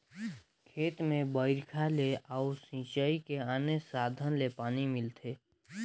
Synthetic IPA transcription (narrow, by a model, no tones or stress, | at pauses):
kʰeːt̪mẽbəɪɾkʰaleʔausĩːt͡ʃaikeaːnesaːd̪ʱənlepaːnimɪlt̪ʰeː